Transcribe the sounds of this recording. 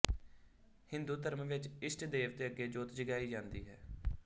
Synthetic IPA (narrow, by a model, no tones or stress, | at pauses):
hɪnd̪uːd̪əɾmʋɪt͡ʃɪsʈd̪eːʋt̪eːəɡːeːd͡ʒoːt̪d͡ʒəɡaːiːd͡ʒãːnd̪iːɦɛː